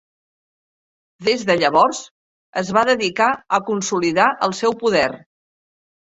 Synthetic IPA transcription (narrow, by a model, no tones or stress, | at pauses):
d̪ezðəʎəβɔrz | əzβaðəðikaəkunsuliðaʔəlˠsɛwpuðɛr